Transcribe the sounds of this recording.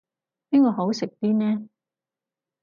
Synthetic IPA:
niː˥kɔː˨˧ɦo˨˥wsɪ˨k̚t̪iː˥nɛː˦˥

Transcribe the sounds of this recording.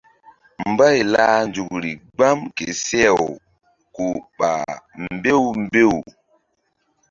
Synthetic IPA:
mba˦jlaː˦nd͡ʒu˨kɾi˨ɡ͡ba˦mke˨sɛ˦˨w | ko˨ɓa̰˨mbe˦wmbe˦˨w

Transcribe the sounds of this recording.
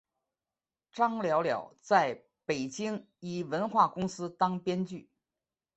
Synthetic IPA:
ʈ͡ʂɑ˥ŋljɑ˧˥ʊljɑ̰˨˩ʊt͡sa˥˩ɪ | pe˨˩ɪt͡ɕi˥ŋ | i˨˩wə˧˥nxwa˥˩kʊ˥ŋsɹ̩˥t̪ɑ˥ŋpjɛ˥nt͡ɕy˥˩

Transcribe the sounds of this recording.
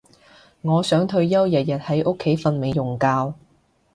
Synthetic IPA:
ŋɔː˨˧sœː˨˥ŋt̪ʰɵ˧ɥjɐ˥wjɐ˨t̚jɐ˨t̚hɐ˨˥jʔʊ˥kʰːe˨˥jfɐ˧nme˨˧jːʊ˨˩ŋkaː˧w

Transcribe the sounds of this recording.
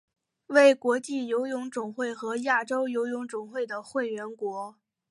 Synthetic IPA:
we˥˩ɪkwɔ˧˥t͡ɕi˥˩jo˧˥ʊjʊ˧˥ŋʈ͡ʂʊ˨˩ŋxwe˥˩ɪxɤ˧˥ja˥˩ʈ͡ʂo˥ʊjo˧˥ʊjʊ˧˥ŋʈ͡ʂʊ˨˩ŋxwe˥˩ɪd̪ə˩xwe˥˩ɪɥɛ˧˥nkwɔ˧˥

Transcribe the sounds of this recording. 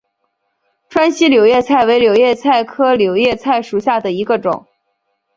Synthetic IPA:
ʈ͡ʂʰwa˥nɕi˥ljo˨˩ʊjɛ˥˧t͡sʰa˥˩ɪwe˧˥ɪljo˨˩ʊjɛ˥˧t͡sʰa˥˩ɪkʰɤ˥ljo˨˩ʊjɛ˥˧t͡sʰa˥˩ɪʂu˨˩ɕja˥˩d̪ə˩i˧˥ɡə˧ʈ͡ʂʊ̰˨˩˦ŋ

